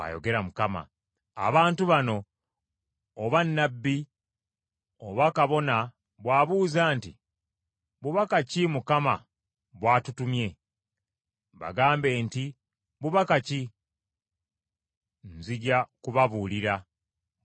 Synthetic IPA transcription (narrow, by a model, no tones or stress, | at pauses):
a̰jo̞̰ɡe̞ɾamukama̰ː | βaːntuβano̞ | βanːabːi | oβakaβo̞na | βwaːβuːzaːnti | βuβakacimukama̰ | βwaːtutumje̞ | βa̰ɡaːmbe̞ːnti | βuβakaci | nziɟakuβaβuːliɾa